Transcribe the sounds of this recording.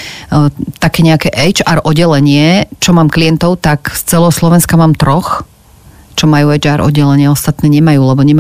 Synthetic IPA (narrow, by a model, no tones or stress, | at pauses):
t̪akɛːɲɛakɛʔɛjd͡ʒaːɾʔɔɟɛlɛɲɪɛt͡ʃɔmaːmkliɛnt̪ɔʊt̪akst͡sɛlɛɦɔslɔʋɛnskamaːmt̪ɾɔx | t͡ʃɔmajuɛd͡ʒaːɾʔɔ̰ɟːɛlɛɲɪɛɔst̪at̪nɛːɲɛmajuːlɛbɔɲɛma